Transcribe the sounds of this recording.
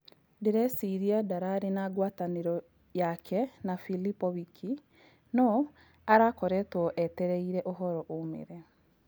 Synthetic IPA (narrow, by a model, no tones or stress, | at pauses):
deɾɛsiɾiadaɾaɾenaːɡwaːtaneɾɔ | jakʰɛnafilipɔβikʰi | nɔ | aɾakɔɾɛtwɔʔɛtɛɾɛiɾɛʔoɦɔɾɔʔomḛɾɛ